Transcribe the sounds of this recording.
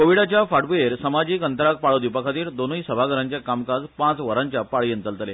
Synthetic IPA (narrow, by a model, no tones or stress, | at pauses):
koʋiɽat͡ɕjafaʈpujeɾsəmad͡ʑiːkənt̪əɾak̚paɭod̪ipəkʰat̪iːɾd̪onujsəbʱaɡəɾaɲt͡ɕakamkad͡zpãt͡sʋəɾaɲt͡ɕjapaɭient̪əlt̪əle